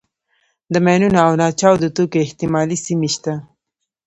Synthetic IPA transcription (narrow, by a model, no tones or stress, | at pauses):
d̪əmajnunaawnɑt͡ʃɑwd̪ət̪okeɪht̪ɪmɑlisimeʃt̪a